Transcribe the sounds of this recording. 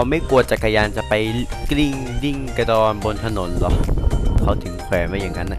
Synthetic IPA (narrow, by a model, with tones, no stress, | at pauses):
wma˥˩jku˨˩ət̪̚t͡ɕa˨˩kːa˧jaː˧nt͡ɕa˨˩pa˧jkli˥˩ŋ | li˥˩ŋka˧dɔː˧nbo˧nt̪ʰa˧no˨˩˦nlɔ˨˦kʰa˦˩wt̪ʰɯ˨˩˦ŋkʰɛː˨˦nmaː˧˥jaː˨˩ŋːa˦˥nːa˧˩